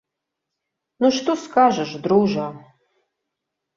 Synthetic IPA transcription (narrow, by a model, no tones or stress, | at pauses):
nuʃt̪oskaːʒɐʒd̪ruwʒa